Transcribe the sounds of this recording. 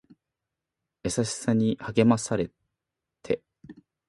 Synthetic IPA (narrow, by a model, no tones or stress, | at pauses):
e̞saɕi̥saɲ̟ihaɡe̞masaɾe̞ | t̪ʰe̞